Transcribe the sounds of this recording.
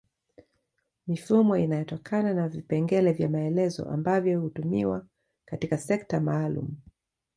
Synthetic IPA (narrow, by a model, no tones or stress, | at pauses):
mifumɔinajɔtɔkʰananavipɛŋɡɛlɛvjamaɛlɛzɔ̰ʔa̰mbavjɔhutumiwa | katikasɛktamaːlṵmu